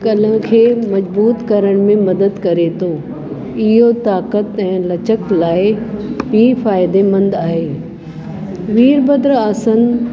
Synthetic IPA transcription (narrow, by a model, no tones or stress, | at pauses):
kɐlə̃kʰeːmɐd͡ʑbuːt̪kɐɾəɽ̃mẽmɐd̪əd̪kɐɾet̪ʰo | ɪɦot̪aːkət̪ɛ̃ːlɐt͡ɕəklaːɪbiːfaːɪd̪emɐ̃nd̪aːɦeː | ʋiːɾbɐd̪ɾaːsən